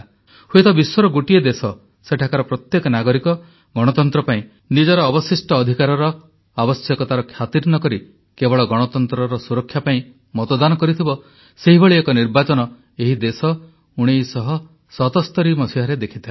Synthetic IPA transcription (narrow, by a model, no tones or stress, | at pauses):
huet̪ɔbiswɔɾɔɡoʈied̪esɔ | seʈʰakaɾɔpɾɔt̪jekɔnaɡɔɾikɔ | ɡɔɽ̃ɔt̪ɔnt̪ɾɔpaĩ | nid͡ʒɔɾɔːbɔsisʈɔːd̪ʱikaɾɔɾɔ | abɔsjɔkɔt̪aɾɔkʰjat̪iɾnɔkɔɾi | kebɔɭɔɡɔɽ̃ɔt̪ɔnt̪ɾɔɾɔsuɾɔkʰːjapaĩ | mɔt̪ɔd̪anɔkɔɾit̪ʰibɔ | seɦibɔɭiekɔniɾbat͡ʃɔnɔ | eɦid̪esɔ | uɽ̃ejsɔɦɔ | sɔt̪ɔst̪ɔɾimɔsiɦaɾed̪ekʰit̪ʰil